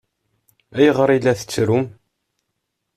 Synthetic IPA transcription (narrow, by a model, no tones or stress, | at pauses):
æjʁəɾˤilæθə̥t͡sːɾum